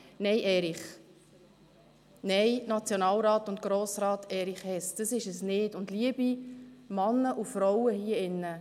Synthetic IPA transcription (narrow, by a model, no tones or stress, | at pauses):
nɛjʔɛːɾiχ | nɛjnɑt͡sjonɑːlɾɑːt̪ʊnt̚ɡ̥ɾoːsɾɑːtɛːɾiχhɛsd̥əsɪʃəsnɪtʊndliəb̥imɑnːəʔufɾɔwəhiəɪnːə